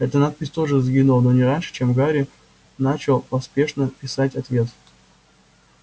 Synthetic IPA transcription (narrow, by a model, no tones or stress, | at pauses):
ɛt̪ənat̪̚pʲɪsʲt̪o̞ʐɨzɡʲinulˠəno̞nʲɪɾanʲʂɨ̥t͡ɕemɡaɾʲɪ | nat͡ɕɪlˠpɐspʲe̞ʂnəpʲɪsatʲɐt̪vʲe̞t̪